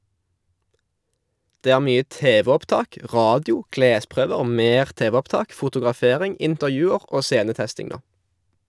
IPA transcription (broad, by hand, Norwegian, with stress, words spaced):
ˈdeː ˈæːʁ ˈmyːə ˈteːʋɛɔpˌtɑːk ˈʁɑːdɪʊ ˈkleːˌspʁøːʋəʁ ˈmeːʁ ˈteːʋɛɔpˌtɑːk fʊtʊɡʁɑˈfeːʁɪŋ ɪntəʁˈjʉːəʁ ˈoː ˈseːnəˌtɛstɪŋ ˈnoː